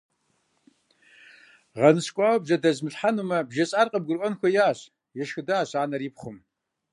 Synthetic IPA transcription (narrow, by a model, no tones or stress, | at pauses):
ʁɐnɨɕkʷʼɑːwbʑɐdɐzmɨɬħanumɐbʒɐɕʼaːrqʼəb̚ɡʷʊrʔʷʼɔnxʷɔjaːɕ | jɛʃxɨdaːɕaːnɐɾiːpχʷʊm